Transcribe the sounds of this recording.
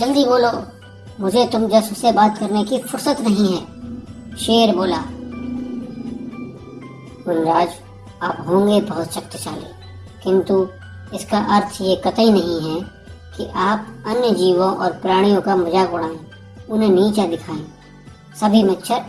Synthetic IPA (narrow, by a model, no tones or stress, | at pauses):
d͡ʒɐld̪iboːloː | mʊd͡ʒʱet̪ʊmd͡ʒɐsʊsːebaːt̪kɐɾnekifʊɾsət̪nɐɦĩɦɛː | ʃeːɾboːlaː | ɡʊnɾaːd͡ʒ | aːpɦõːŋɡebɐɦʊt̪ʃɐk̚t̪t͡ʃaːlḛː | kɪ̃nt̪u | ɪskaʔɐɾt̪ʰjekɐt̪əĩnɐɦĩɦɛː | kiʔaːp̚ɐnjəd͡ʒiːʋõʔɔːɾpɾaːɽ̃ijõkamɐd͡ʒakʊɽãː | ʊnɦẽniːt͡ʃad̪ɪkʰaːẽː | sɐbʱimɪtːʃʰəɾ